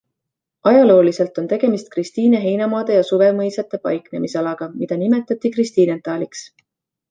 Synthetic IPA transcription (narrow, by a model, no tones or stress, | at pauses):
ɑjɑlo̞ːlise̞lt̪ˑo̞nt̪e̞ɡ̥e̞mist̪̚krist̪iːneɦe̞jnɑmɑːd̪̥e̞jɑsuve̞mɤjsɑt̪ːˑe̞pɑ̰jkne̞misɑlɑɡ̥ɑmid̪̥ɑnime̞t̪ːˑɑt̪ːˑikrist̪iːnent̪ːˑɑːliks